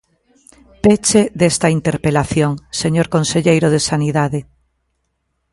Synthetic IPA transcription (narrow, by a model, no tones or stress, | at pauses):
pet͡ʃeðest̪aint̪eɾpelaθjoŋseɲoɾkonseʎejɾoð̞esaniðaðe